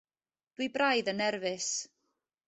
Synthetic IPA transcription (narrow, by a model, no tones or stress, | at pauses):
d̥wibrajðənɛrvɪs